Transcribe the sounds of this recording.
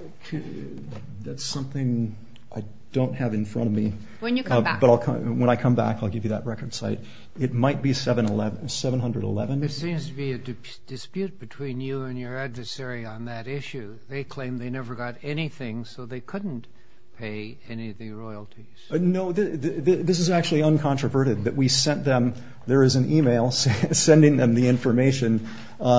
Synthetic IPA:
kʰ | ðætsʌ̃mθɪ̃ŋ | ʔaɪ | d̥õʊ̃nt̚hɨvɨ̃nfɹʌ̰̃ɾ̃ʌvmi | wɨ̃njɨkʰbʌɾaɪlˠkʰʌ̰̃wə̃ɾ̃aɪkʰʌ̃mbæ̰kaɪlˠɡɪvjɨðɨ̰t̚ɹɛkə˞d̥saɪɾ | ɨt̚maɪt̚b̥isɛvɨ̃nəlɛvsɛvə̃nɦʌ̃ndɹəɾə̰lɛvɨ̃nɨtsĩmz̥tʰɨbiɨdɨ | d̥ɨspjʉt̚b̥ɨtʰw̥ĩnjɨɨ̃njə˞ædvə˞sɛɹiə̃nðɨɾɪʃʉ | ðeɪkʰl̥ẽɪ̃mðeɪnɛvə˞ɡɑɾɛniθɪ̃ŋsoʊðeɪkʰʊdⁿn̩ | pʰeɪ | ɛniʌvðɨɹɔɪl̩ˠtʰiz̥noʊðɪððɪðɪs̬ɨzæk̚t͡ʃʉl̩ˠiʌ̃nkʰɑ̃ntɹ̥ɨvɜ˞ɾɨd̪̚ðɨʔ̚wisɛ̃nðɨ̃m | ðə˞ɨzɨ̃nʔimeɪlˠssɛ̃ndɪ̃ŋðɨ̃mðiɪ̃ɱfə˞meɪʃɨ̃n

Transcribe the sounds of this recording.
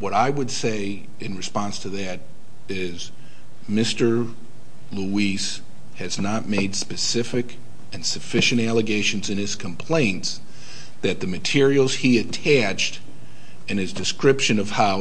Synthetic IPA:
wʌɾaɪwɨdseɪ | ɨ̃nɹɨspɑ̃nstʰɨðɨɾ | ɪ | z | mɪstə˞ | luis | hɨznət̚meɪdspɨsɪfɨk | ɨ̃nsɨfɪʃɨ̃ñtælˠəɡeɪʃɨ̃n̩zɨ̃nɨz̥kʰə̃m̩pʰl̥ẽɪ̃nts | ðɨt̪̚ðɨmɨtʰɪɹil̩ˠz̥iɨtʰæt͡ʃt | ɨ̃nɨzdɨskɹɪpʃɨ̃nʌv̥haʊ

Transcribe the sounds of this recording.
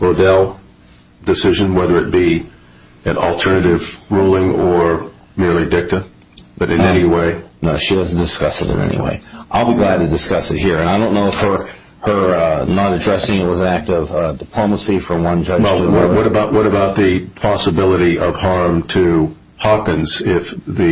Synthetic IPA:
oʊdɛlˠ | d̥ɨsɪʒɨ̃nwɛðə˞ɨt̚b̥i | ɨ̃nl̩ˠtʰɜ˞nɨɾɪvɹulˠɪ̃ŋə˞ | mɪɹlˠidɪk̚tɨ | ðɨɾɨ̃nɛñiweɪnoʊʃidʌzn̩d̥ɨskʌsɨ̰ɾɨ̰̃nɛ̰nḭwḛɪʔaɪlˠbiɡlæd̚tʰɨdɨskʌsɨt̚hiɹɨ̃ñaɪõʊ̃nːoʊfə˞ | hə˞nəɾɨdɹɛsɪ̃ŋɨt̚wʌzɨ̃næk̚tʌv̥dɨpʰl̥õʊ̃məsifəwʌ̃nd͡ʒʌd͡ʒwɛlˠwʌɾwʌɾɨbaʊʔ̚wʌɾɨbaʊt̪̚ðɨpʰɑsəbɪlˠəɾiʔʌv̥hɑɹmtʰɨ | hɑkɨ̃nz̥ɪfðɨ

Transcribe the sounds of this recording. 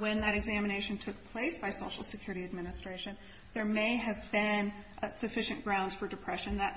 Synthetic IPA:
wɨ̃nðɨɾɨɡzæmɨneɪʃɨ̃ntʰʊk̚pʰl̥eɪsb̥aɪsoʊʃl̩ˠsɨkʰj̥ʊɹɨɾiɨd̚mɪnɨstɹ̥eɪʃɨ̃n | ðə˞meɪɨvbɪ̃nsɨfɪʃɨ̃nɡ̥ɹãʊ̃ndz̥fə˞dɨpʰɹ̥ɛʃɨ̃nðɨt

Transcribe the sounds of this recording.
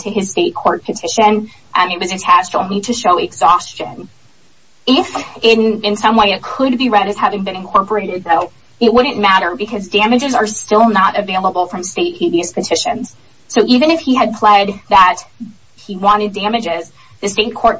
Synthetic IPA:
tʰɨɨz̥steɪt̚kʰɔɹt̚pʰɨtʰɪʃɨ̃n | ʔmɨt̚wʌzɨtʰæt͡ʃtõʊ̃nliɾɨʃoʊɨɡzɔst͡ʃɨ̃n | ɪfɪ̃nɪ̃nsʌ̃mweɪɨt̚kʰəd̚biɹɛɾɨz̥hævɪ̃ŋbɨ̃ñɨ̃nkʰɔɹpə˞eɪɾɨd̪̚ðoʊ | ɨt̚wʊdⁿn̩mæɾə˞bɨkʰʌzdæmɨd͡ʒɨzə˞stɪlˠnəɾɨveɪlˠəbl̩ˠfɹʌ̃msteɪt̚hiviɨspʰɨtʰɪʃɨ̃nz̥ | soʊʔivɨ̃ñɨfhiɨd̚pʰl̥ɛd̪̚ðət̚ | hiwɑ̃ɾ̃ɨdæmɨd͡ʒɪz | ðɨsteɪt̚kʰɔɹt̚

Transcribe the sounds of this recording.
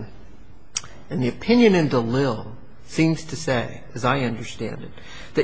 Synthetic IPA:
ɨ̃nðiɨpʰɪ̃njɨ̃nɨ̃ndəlɪlˠ | sĩmz̥tʰɨseɪ | ɨzaɪʌ̃ndə˞stæ̰̃ndɨt̪̚ | ðɨ

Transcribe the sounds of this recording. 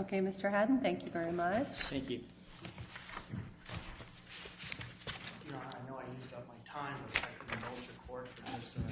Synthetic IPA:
oʊkʰeɪmɪstə˞ɦædⁿn̩θæ̃ŋkjɨvɛɹimʌt͡ʃθæ̃ŋkjʉ | jɨnoʊaɪnoʊaɪjʉstʌv̚maɪtʰãɪ̃məsfɛk̚tɪ̃ŋɨmoʊd͡ʒɨkʰɔɹdfə˞d͡ʒʌs

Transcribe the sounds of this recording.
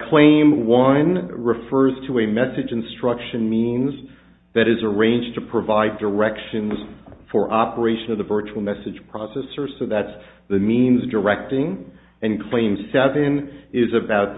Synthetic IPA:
kʰl̥ẽɪ̃mwʌ̃nɹɨfɜ˞z̥tʰəɨmɛsɨd͡ʒɨ̃nstɹ̥ʌkʃɨ̃nmĩnz | ðɨɾɨzə˞ẽɪ̃nd͡ʒtʰɨpʰɹ̥ɨvaɪdə˞ɛkʃɨ̃nz̥fə˞ʔɑpə˞eɪʃɨ̃nʌvðɨvɜ˞t͡ʃul̩ˠmɛsɨd̥ʒ̥pʰɹ̥ɔsɛsə˞soʊðæts | ðɨmĩnzdə˞ɛk̚tɪ̃ŋ | ɨ̃nkʰl̥ẽɪ̃msɛvɨ̃nɪzɨbaʊt̪̚

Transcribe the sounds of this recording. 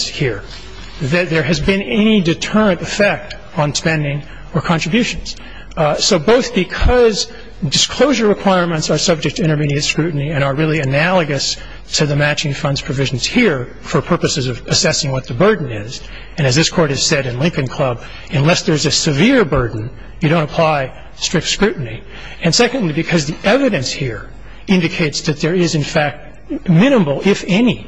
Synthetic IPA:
z̥hiɹ | ðɨt̪̚ðə˞ɨzbɨ̃nɛñidɨtʰɜ˞ɨ̃ntɨfɛk̚t | n̩spɛ̃ndɪ̃ŋ | ə˞kʰɑ̃nɹ̥ɨbjʉʃɨ̃n̩z̥ | soʊboʊθb̥ɨkʰʌz | dɨskʰl̥oʊʒə˞ɹɨkʰw̥aɪɹmɨ̃ntsə˞sʌb̚d͡ʒɨk̚tʰɨɪ̃ɾ̃ə˞miɾiɨ̃ntskɹʉʔn̩iɨ̃ɾ̃ə˞ɹɪlˠiɨnælˠəɡɨs | tʰɨðɨmæt͡ʃɪ̃ŋfʌ̃ndz̥pʰɹ̥ɨvɪʒn̩z̥hiɹ | fə˞pʰɜ˞pɨsɨzʌvɨsɛsɪ̃ŋwʌt̪̚ðɨbɜ˞dⁿn̩ɪz | ɨ̃ñɨzðɪskʰɔɹɾɨz̥sɛɾɨ̃nlɪ̃ŋkɨ̃nkʰl̥ʌb̚ | ɨ̃nlɛsðə˞zɨsɨvɪɹbɜ˞dⁿn̩ | jɨɾõʊ̃ntəpʰl̥aɪ | stɹ̥ɪk̚tskɹʉʔn̩i | ɨ̃nsɛkɨ̃n̩dˡlibɨkʰʌzðiʔɛvɨɾɨ̃nshiɹ | ɪ̃ndɨkʰeɪtsðɨt̪̚ðə˞ɪzɨ̃nfæk̚t̚ | mɪ̃ñbl̩ˠɪfɛni

